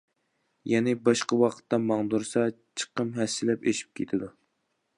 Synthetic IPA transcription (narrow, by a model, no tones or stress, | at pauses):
jɛnɪbɑʃqɑwɑqʰə̥t̪ːɑmɑŋd̪uɾsɑ | t͡ʃʰə̥qəmɦɛsːɪlɛpeʃi̥p̚kʲʰet̪ʰɪd̪u